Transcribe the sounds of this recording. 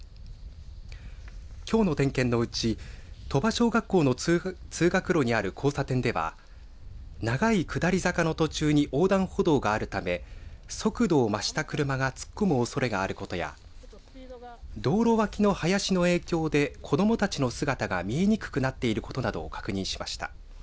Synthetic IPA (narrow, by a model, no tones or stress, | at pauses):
kʲo̞ːno̞t̪ẽ̞ŋkẽ̞nːo̞ɯ̟t͡ɕit̪o̞baɕo̞ːɡakːo̞ːnot͡sɨːɡakɯ̟ɾo̞ɲ̟iaɾɯ̟kʰo̞ːsat̪ẽ̞nd̪e̞βa̰ | naɡaikɯ̟d̪aɾʲizakano̞t̪o̞t͡ɕɨːɲ̟iʔo̞ːd̪ãɰ̃ho̞d̪o̞ːɡaːɾɯ̟t̪ame̞so̞kɯ̟d̪o̞ːmaɕi̥t̪akɯ̟ɾɯ̟maɡat͡sɨ̥kːo̞mɯ̟o̞so̞ɾe̞ɡaːɾɯ̟kot̪o̞ja̰ | d̪o̞ːɾo̞βakʲino̞hajaɕino̞e̞ːkʲo̞ːd̪e̞kʰo̞d̪o̞mo̞t̪at͡ɕino̞sɨɡat̪aɡa̰mʲie̞ɲ̟ikɯ̟̥kɯ̟nat̪ːe̞iɾɯ̟ko̞t̪o̞nad̪o̰kḁkɯ̟ɲ̟ĩɕi̥maɕi̥t̪a̰